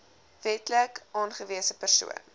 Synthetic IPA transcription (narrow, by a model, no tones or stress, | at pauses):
vɛtləkʔɑːnχəviəsəpərsṵə̰n